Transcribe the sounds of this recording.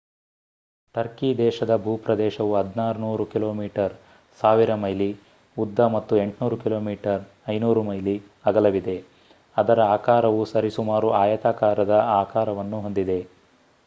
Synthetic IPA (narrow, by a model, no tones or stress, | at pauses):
t̪ɐɾkid̪ɛːʃɐd̪ɐbʱuːpɾɐd̪ɛːʃɐʋuɦɐd̪ʱnaːɾunuːɾukiloːmiːʈɐɾ | saːʋiɾɐmɐjli | ud̪ːɐmɐt̪ːue̞ɳʈnuːɾukilo̞ːmiːʈɐɾ | ɐjnuːɾumɐjli | ɐɡɐlɐʋid̪e̞ | ɐd̪ɐɾɐaːkaːɾɐʋusɐɾisumaːɾuaːjɐt̪aːkaːɾɐd̪ɐaːkaːɾɐʋɐnːuɦo̞nd̪id̪e̞